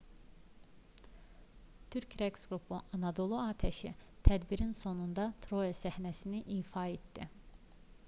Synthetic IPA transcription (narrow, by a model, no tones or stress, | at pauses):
t̪ʰyɾcɾeksɡɾupʰuʔɑnɑd̪o̞lˠuaːt̪ʰæʃit̪ʰæd̪biɾinso̞nund̪ɑt̪ʰɾojesæhnæsiniʔiːfɑet̪d̪i